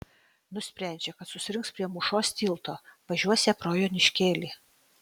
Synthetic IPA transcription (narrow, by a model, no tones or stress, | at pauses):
nʊsʲpʲɾʲæˑnʲd͡ʒʲɛkɐt̪sʊsʲɪɾʲɪŋkspʲɾʲiɛmʊʃoːst̪ʲiːlˠt̪oːʋɐʒʲuɔsʲɛpɾoːjoːnʲɪʃʲkʲeːlʲiː